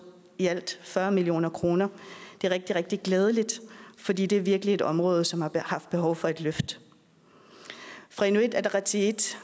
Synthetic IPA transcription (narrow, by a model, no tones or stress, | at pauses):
iæl̰d̥fɶɐmilio̝̰ːnɐkʰʁo̝ːnɐd̥e̝æɐʁeɡ̥̚d̥iʁɛɡ̥̚d̥iɡ̥lɛːð̞ˠəlid̥fɒ̽dḭːd̥e̝æɐʋiɐɡ̥əlie̝d̥ɒ̽mʁɔ̽ːð̞̩ˠsɒ̽mhɑ̈hɑ̈fd̥̚b̥e̝ɦɒ̽ʊfɒ̽e̝d̥løfd̥ | fʁɑenuid̥æd̥ʁɑt͡sʰid̥